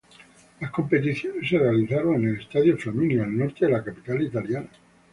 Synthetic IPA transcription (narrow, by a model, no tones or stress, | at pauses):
lasko̞mpe̞t̪iθjo̞nesːerealiθaɾo̞ŋe̞nele̞st̪aðjofaminialno̞ɾt̪eðelakapit̪alit̪aljana